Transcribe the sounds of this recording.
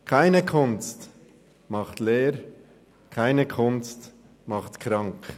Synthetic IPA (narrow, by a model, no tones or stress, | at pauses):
kʰaɪnəkʰʊnst | mɑχtleːɾ | kʰaɪnəkʰʊnst | mɑχtkɾɑŋk